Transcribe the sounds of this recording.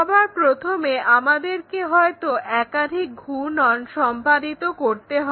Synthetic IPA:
ɔbʱaɾpɾot̪ʰomeamad̪eɾkeɦɔet̪oʔɛkad̪ʱik̚ɡʱunɔnʃɔmpad̪it̪okoɾt̪eɦɔ

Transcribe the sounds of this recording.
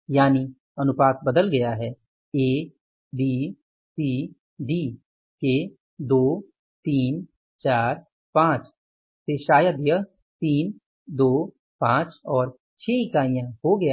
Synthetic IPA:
jaːni | ɐnʊpaːt̪bəd̪əlɡɐjaɦɛː | eː | d̪iː | t̪i | d̪iː | ke | d̪oː | t̪iːn | t͡ʃaːɾ | pãːt͡ʃ | t̪eːʃaːjəd̪jə | t̪iːn | d̪oː | pãːt͡ʃɔːɾ | t͡ʃʰeːɪkaːijãɦoɡɐja

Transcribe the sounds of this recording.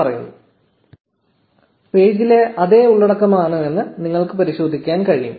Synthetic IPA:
ɐrɐjunːu | pe̞ːd͡ʑile̞ʔɐðe̞ːuɭːɐɽɐkːɐmaːɳɨe̞nːɨniŋːɐɭkɨpɐɾiɕo̞ːd̪ʱikʲːaːnkɐɻijṵm

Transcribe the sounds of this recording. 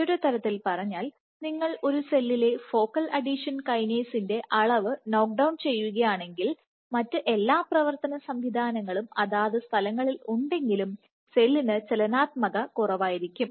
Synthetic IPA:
oɾut̪ɐɾɐt̪ːilpɐrɐɲːaːl | niŋːɐɭo̞ɾuse̞lːile̞fo̞ːkːɐlɐɖiʂɐnkɐjneːsinde̞ʔɐɭɐʋɨno̞ːk̚ɖɐwnt͡ɕe̞jːuɣɐjaːɳe̞ŋɡil | mɐtːɨʔe̞lːaːprɐʋɐrt̪ɐnɐsɐmʋid̪ʱaːnɐŋːɐɭumɐðaːðɨst̪ʰɐlɐŋːɐɭiluɳɖe̞ŋɡilum | se̞lːinɨt͡ɕelɐnaːt̪̚mɐɣɐkurɐʋaːjiɾikʲːum

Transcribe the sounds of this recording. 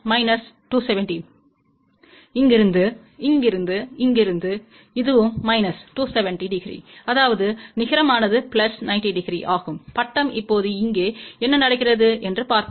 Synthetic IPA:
mɐɪnɐs | ʈuːsɛʋɛɳʈi | ɪŋɡɪɾɯnd̪ɯ | ɪŋɡɪɾɯnd̪ɯɪŋɡɪɾɯnd̪ɯ | ɪðɯʋɯmːɐɪnɐsʈuːsɛʋɛɳʈiɖɪɡɪɾḭːɐðaːʋɐðɯnɪɣɐɾɐmaːnɐðɯplɐsnɐɪnʈiɖɪɡɾḭʔaːɣɯmpɐʈːɐmɪpːoːðɯɪŋɡeːɛnːɐnɐɽɐkːɪrɐðɯɛndrɯpaːɾt̪

